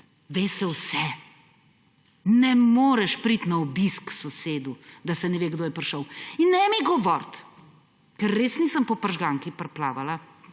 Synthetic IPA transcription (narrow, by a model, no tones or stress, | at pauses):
ʋeːsɛwsɛ | nɛmoːɾɛʃpɾit̪naɔbisksɔseːd̪ud̪asɛnɛʋeːɡd̪oːjɛpɾʃəwinːɛmiɡɔʋɔɾt̪ | kɛɾːeːsnisəmpɔpəɾʒɡaŋkipɾplaːʋala